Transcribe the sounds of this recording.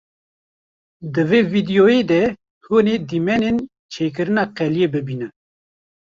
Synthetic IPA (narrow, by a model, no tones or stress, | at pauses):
d̪ɨveːvid̪ijoeːd̪ɛ | honeːd̪imɛnen | t͡ʃʰeːk̬ɨɾɨnɑːqɛljeːbɨbiːnɛ